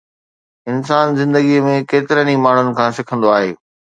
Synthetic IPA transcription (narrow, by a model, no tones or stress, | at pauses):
ɪnsaːnzɪ̃nd̪əɡimẽkeːt̪ɪɾənimaːɳ̤ʊnɪ̆kʰãːsɪkʰə̃nd̪oaːɦeː